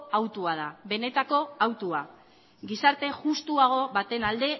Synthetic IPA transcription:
awt̪uað̞aβe̞ne̞t̪ako̞awt̪ua | ɡisaɾt̪e̞ʝust̪uaɣ̞o̞βat̪e̞nald̪e̞

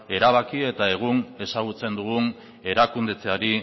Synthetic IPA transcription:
e̞ɾaβakie̞t̪ae̞ɣ̞une̞saɣ̞ut͡se̞nd̪uɣun | e̞ɾakund̪e̞t͡seaɾi

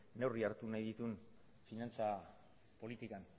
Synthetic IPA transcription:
ne̞wriaɾt̪unajðit̪un | finant͡sa | po̞lit̪ikan

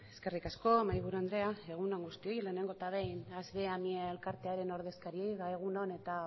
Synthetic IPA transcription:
e̞ske̞rikasko̞majβuɾuand̪ɾe̞ae̞ɣ̞unoŋɡust̪io̞jle̞ːne̞ŋɡo̞t̪aβejnazðe̞amieelkaɾt̪e̞aɾe̞no̞ɾð̞e̞skaɾiejðae̞ɣ̞unone̞t̪a

